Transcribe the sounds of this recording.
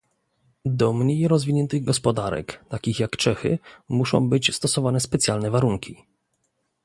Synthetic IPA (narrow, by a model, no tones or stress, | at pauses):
d̪ɔmɲejɾɔzvʲiɲɛnt̪ɘɣɡɔspɔd̪aɾɛ̰kt̪akʲixjakt͡ʂɛxɘ̰muʂɔ̰̃w̃bɘt͡ɕst̪ɔsɔvanɛspɛt̪sʲjalnɛvaɾuŋkʲi